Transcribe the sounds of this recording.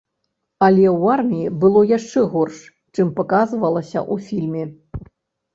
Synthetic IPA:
alʲɛwarmʲijibɨlˠɔjaʂt͡ʂɛɣɔrʂ | t͡ʂɨmpɐkazvɐlˠɐsʲɐ̰ʔufʲilʲmʲɛ

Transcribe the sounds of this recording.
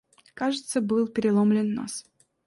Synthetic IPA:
kaʐɨt̪səbɨlˠpʲɪɾʲɪlˠomlʲɪnːa̰s

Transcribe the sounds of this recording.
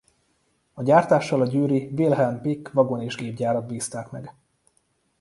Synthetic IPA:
ɒɟaːrt̪aːʃːɒlɒɟyːɾivilɦɛlmpikːvɒɡo̞neːʒɡeːbɟaːɾɒd̪̚biːst̪aːkmɛ̰ɡ

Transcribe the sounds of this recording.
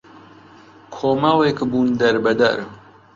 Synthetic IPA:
kʰoːmɐlekbuːnd̪ɐɾbɐd̪ɐ̰ɾ

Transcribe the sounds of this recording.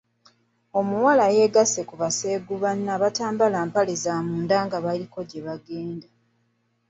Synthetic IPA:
o̞muwalaje̞ːɡase̞kuβase̞ɡuβanːaːβataːmbalaːmpalezamuːndaːŋɡaβaliko̞ɟeβaɡeːnda

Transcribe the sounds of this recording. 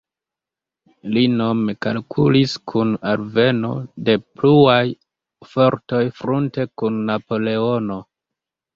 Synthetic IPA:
linomeka̰lkʰṵliskʰunalve̞no̞̰de̞pluaj | fo̞ɾto̞jfɾunte̞kunːapo̞le̞ono̞

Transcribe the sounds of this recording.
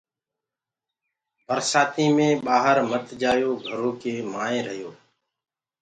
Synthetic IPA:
pəɾsaːt̪iːmẽːɓaːɦəɾmət̪d͡ʒaːjoːɡʱəɾõːkeːmaːẽːɾəɦjoː

